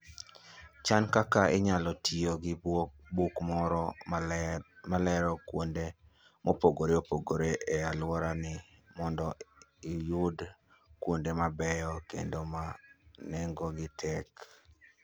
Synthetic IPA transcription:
t͡ʃankakaʔɪɲalɔtʰioɡɪ | bukmɔɾɔ | malɛɾɔkwonde | mopoɡoɾeopoɡoɾeʔealwɔɾanɪmɔndɔijud | kwondemabɛjɔkḛndomanɛŋɡɔɡɪtʰɛk

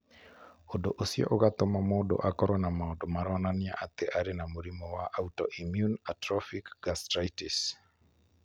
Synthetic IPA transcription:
odoʔosiɔ̰ʔoɣat̪ɔmamɔdo̰ʔakɔɾɔnamaɔdomaɾɔnanɪa̰ʔat̪eʔaɾenamoɾimɔwaʔautɔ̰ʔimjunatɾɔfikɡastɾaitis

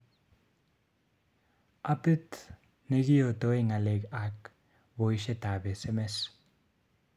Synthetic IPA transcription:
apɨt̪ | neɣiot̪oeŋalekak | bojʃet̪abesemes

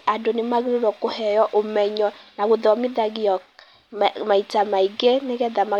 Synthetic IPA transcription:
adonemaɣeɾoɾɔkohɛjɔʔomɛɲɔnaɣoðɔmiðaɣiɔk | maitamaiɡeneɣɛðama

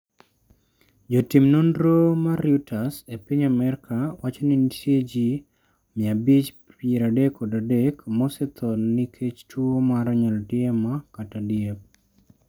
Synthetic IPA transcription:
d͡ʒotimnondɾomaɾjutʰasepiɲamɛɾkʰawʔat͡ʃɔnɪnsjed͡ʒi | mɪabit͡ʃ | pjeɾadekʰːɔdadekmɔsɛt̪ʰɔnnikʰet͡ʃtʰuomaɾaɲɛltɪemakatadjep̚

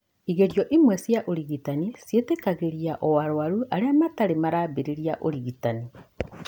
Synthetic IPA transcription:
iɣeɾjɔʔimwɛsjaʔoɾiɣitanisjetekaɣeɾiaʔɔwaɾowaɾuʔaɾeamataɾemaɾabeɾeɾiaʔo̰ɾiɣitani

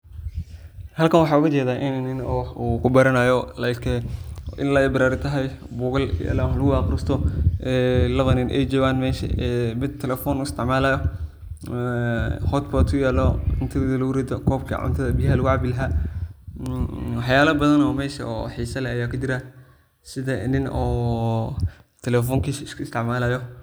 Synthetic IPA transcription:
hɐlkɐnwɑħɑːʊɣɐt͡ʃɛːðaːʔɪnnɪnɔːuːkʰʊbɐɾɐnajɔlɐjkʰɛʔɪ̰nlɐɛbɪɾaːɾɪt̪ʰɐɦɐjbʊːɣɐlja̰lalɐɣʊwɑːqɾɪst̪ʰɔɛːlɐβɐnɪnʔɛ̰jd͡ʒɔːɣaːnmɛːʃɐ̰ɛːmɪd̪̚t̪ʰːɛlɛfɔnʊɪst̪ʰɪʕmaːlajɔ | hɔt̪pɔt̪kʰʊjɛːlɔɪnt̪ʰɐbɪðɐlɐɾɛd̪ɔkʰɔːb̚kʰɐ̰ʕʊ̰nt̪ʰɐðɐbɪjhɐlɐɣʊʕbɪlɐɦa | wɑħjaːlɐbɐðɐnɔːmɛːʃɐ̰ɔ̰ħiːsɐlɛːjaːkʰʊd͡ʒɪɾa | sɪðɐnɪnɔː | t̪ʰɛlɛːfɔːŋkʰiskʰʊɪst̪ʰɪʕmaːlaːjɔ

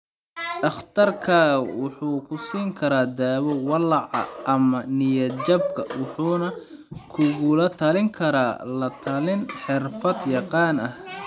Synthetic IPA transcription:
ʔɐχt̪ʰɐrkʰawʊħuːkʰʊsiːŋkʰɐɾaːd̪aːwɔwɑlɑʕɑ̰ʔɐmɐnɪjɐd͡ʒɐb̚kʰɐwɑħuːnɐ | kʰʊɣʊlɐt̪ʰɐlɪŋkʰɐɾaːlɐt̪ʰɐlɪnħɪrfɐd̪jɑqɑːnɐh

